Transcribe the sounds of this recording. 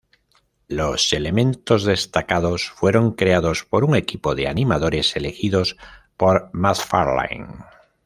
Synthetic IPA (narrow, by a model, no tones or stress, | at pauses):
lo̞se̞le̞mẽ̞nt̪o̞zðe̞st̪akaðosfwe̞ɾo̞ŋkɾe̞aðo̞spo̞ɾuŋe̞kipo̞ðe̞animaðo̞ɾe̞se̞lexiðo̞spo̞ɾmaθfaɾla̰jŋ